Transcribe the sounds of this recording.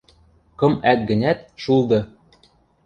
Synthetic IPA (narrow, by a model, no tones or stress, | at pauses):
kɤ̆mæt̪̚ɡɘ̆nʲæt̪ʃulˠd̪ɤ̆